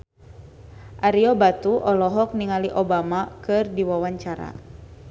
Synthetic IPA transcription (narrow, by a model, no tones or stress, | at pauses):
ʔaɾiɔbat̪uʔɔlɔɦɔk̚niŋaliʔɔbamakɨrdiwawaɲt͡ʃaɾa̰